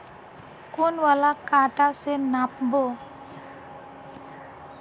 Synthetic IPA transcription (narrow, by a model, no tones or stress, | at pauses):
kunwalakaʈasɛnap̚bɔ